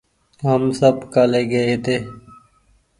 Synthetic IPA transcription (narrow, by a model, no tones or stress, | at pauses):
ɦəmsəbkəleːɡəeːt̪eː